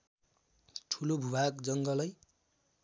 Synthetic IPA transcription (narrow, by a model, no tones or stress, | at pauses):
ʈʰulobʱubʱakd͡zʌŋɡʌlʌj